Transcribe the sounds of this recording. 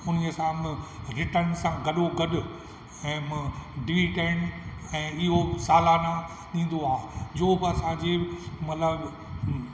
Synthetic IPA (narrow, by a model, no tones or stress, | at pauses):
ʊn̤iəsãmɪ̃ɾɪʈənsãɡɐɗoɡɐɗʊ | ɛ̃ːmɪ̃ɖiʋiʈeːnɛ̃ːɪɦosaːlana | ɗĩːn̆d̪oaːɦɪd͡ʑoːbɪɐsãd͡ʑeːmɐt̪ləb